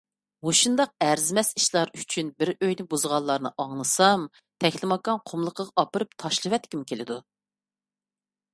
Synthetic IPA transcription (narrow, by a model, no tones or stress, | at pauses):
oʃund̪ɑq̚æɾzɪmɛsi̥ʃlˠɑɾyt͡ʃʰynbɪɾøjnɪbuzʁɑlˠːɑɾnɨʔɑŋlˠɨsɑm | t̪ʰɛkʰʲlɪmɑkɑnqʰomlˠəqʰəʁɑɑpɨɾɨp̚t̪ʰɑʃlˠɨvɛt̪kʲimkʲelɪd̪u